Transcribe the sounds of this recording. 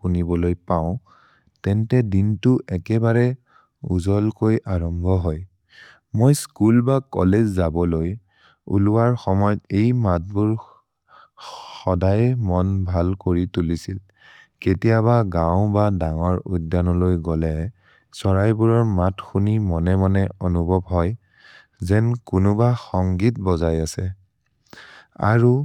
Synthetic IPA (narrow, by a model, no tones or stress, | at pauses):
xunibɔlojpaʊ̃ | tɛntɛdintʊʔɛkɛbaɹɛ | uzɔlkojʔaɹɔmbʱɔɦoj | mojskulbakɔ̰lezzabɔloj | ṵluwaɹxɔmɔjɔtejmat̚buɹ | xɔdajmɔnbʱalkoɹitulisil | ketijaβaɡãw̃badaŋɔɹuddanɔlojɡɔlɛ | sɔɹajbuɹɔɹmatxunimɔnɛmanɛɔnubʱɔbɦɔj | zɛnkʊnʊbaxɔŋɡit̚bɔzajasɛ | a̰ɹu